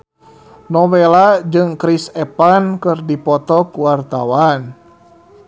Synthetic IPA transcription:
nɔwɛlad͡ʒɨŋkɾisɛpankɨrdipɔt̪ɔkwart̪a̰wan

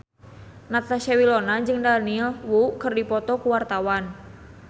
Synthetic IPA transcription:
nat̪aʃawilɔnad͡ʒɨŋdanilwukɨrdipɔt̪ɔkuwart̪awan

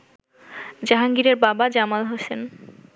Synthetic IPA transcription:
d͡ʑaɦaŋɡiɾeɾbabad͡ʑamalɦosen

